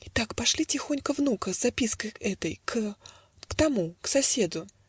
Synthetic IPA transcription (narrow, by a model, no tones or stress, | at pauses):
ɪt̪akpɐʂlʲitʲɪxonʲkəvnukəzːɐpʲiskəjɛt̪əjkʰ | kt̪ɐmuksɐsʲe̞d̪ʊ